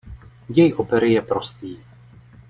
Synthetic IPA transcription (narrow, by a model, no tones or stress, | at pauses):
jɛjʔopɛɾɪjɛpɾost̪iː